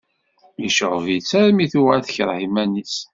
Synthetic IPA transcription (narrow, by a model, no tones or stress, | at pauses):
miʃoʕvit͡sːæɾmiθuaθəçəɾˤhimænis